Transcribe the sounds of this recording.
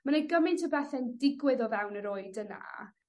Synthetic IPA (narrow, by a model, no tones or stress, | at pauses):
maneɡəmɪntʰəbɛθɛndɪɡwɪðɔvɛwnəɾoɨdəna̰